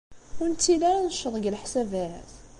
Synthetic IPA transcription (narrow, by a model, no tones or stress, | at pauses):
ʊɾnt̪ːilaɾanəʃəðˤɡəlħsævæθ